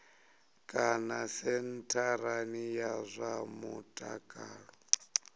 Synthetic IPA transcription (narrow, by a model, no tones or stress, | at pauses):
kʼanasɛntʰaɾanijazʷamutʼa̰kʼaːɺɔ